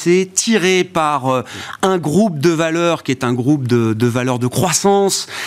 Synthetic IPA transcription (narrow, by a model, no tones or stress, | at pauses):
sɛt̪ʰiʁepaʁøɛ̃ɡʁupd̪əvalœʁkʲiɛt̪ɛ̃ɡʁup̚d̪əd̪əvalœʁd̪əkχwasɑ̃s